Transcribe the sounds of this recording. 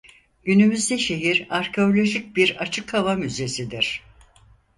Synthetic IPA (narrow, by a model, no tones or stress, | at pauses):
ɟynymyzd̪ɛʃe̞ɦiɾaɾcʰe̞o̞lʲo̞ʒic̚biɾat͡ʃʰɯkʰhavamyze̞sid̪iɾ̥